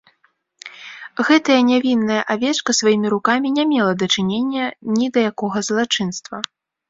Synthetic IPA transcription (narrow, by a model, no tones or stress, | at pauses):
ɣɛt̪ɐjɐnʲavʲinːɐjɐʔavʲɛt͡ʂkɐsvajimʲiɾukamʲinʲamʲɛlˠɐd̪ɐt͡ʂɨnʲenʲːɐnʲid̪ɐjakɔɣɐzlˠat͡ʂɨnst̪vɐ